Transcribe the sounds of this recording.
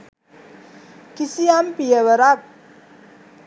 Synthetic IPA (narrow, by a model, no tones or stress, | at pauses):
kisijampijəwəɾak̚